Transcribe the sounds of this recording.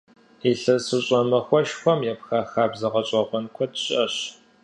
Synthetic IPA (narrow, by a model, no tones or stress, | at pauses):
iɬɨsɨɕʼɔmɐxʷɔʃxʷɔmjɛpxaxaːbzɐʁɐɕʼɐʁʷɔnkʷʰɔdɕʼɐɕ